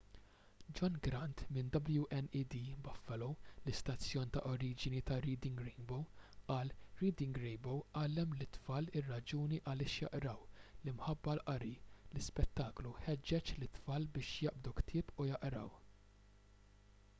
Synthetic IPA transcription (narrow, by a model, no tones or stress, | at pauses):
d͡ʒɔnɡɾɐnt̪mɪnd̪ɐbljuʔɛnid̪iːbɐfːɛlɔwlɪst̪ɐt͡sːjɔːnt̪ɐ̰ʔɔɾiːd͡ʒɪnit̪ɐɾiːd̪ɪŋɡɾɪŋɡbowʔɐːlɾiːd̪ɪŋɡɾɛjbowʔɐːlɛmlɪt̪fɐːlɪrːɐd͡ʒuːniʔɐlɪːʃjɐ̰ʔɾɐwlimħɐbːɐlʔɐɾilɪspɛt̪ːɐːkluħɛd͡ʒːɛt͡ʃlɪt̪fɐːlbɪːʃjɐʔbd̪ukt̪ʰɪːpujɐʔɾɐ̰w